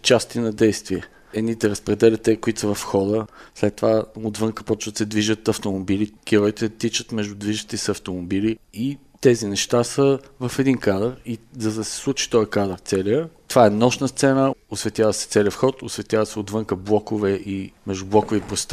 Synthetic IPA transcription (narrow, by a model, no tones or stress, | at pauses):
t͡ʃast̪inɐd̪ɛjst̪viɛ | ɛd̪nit̪ɛɾəspɾɛd̪ɛlʲət̪ɛkʊit̪səvɐfxɔd̪əslɛt̪ːovaod̪vɤŋkə̥pɔt͡ʃvət̪sɛd̪viʒət̪ɐft̪omobilikiɾɔjt̪ɛt̪it͡ʃət̪mɛʒd̪ʊd̪viʒət̪isɐft̪omobilii | t̪ɛzinɛʃt̪asəvɐfɛd̪inkad̪əɾizɐd̪ɐsɛ̥slˠut͡ʃi̥t̪ɔjkad̪əɾt̪sɛliət̪ovaɛnɔʃnəst̪sɛnəosvɛt̪ʲjavəsɛ̥t̪sɛliəfxɔt̪osvɛt̪ʲjavəsɛod̪vɤŋkəblˠɔkovɛʔimɛʒd̪ʊblˠɔkʊvipɾost̪